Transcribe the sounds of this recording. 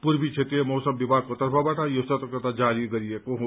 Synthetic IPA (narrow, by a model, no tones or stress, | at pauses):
puɾbit͡ʃʰet̪iemoːsɐmbibaːk̚kot̪ɐɾbʱabɐʈʰajosɐt̪ɐkɐt̪ad͡ʒaːɾiɡɐɾiekõɦ